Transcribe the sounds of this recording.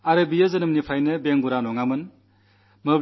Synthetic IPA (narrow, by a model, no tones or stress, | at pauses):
aɾɯbijɯzɯnɯmnipʰajnɯbeŋɡuɾanɔŋamɯn | mɯb